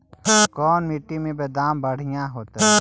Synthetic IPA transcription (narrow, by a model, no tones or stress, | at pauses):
kɔːnmiʈːimẽbeːd̪aːmbəɽ̤ɪjãɦoːt̪ɛ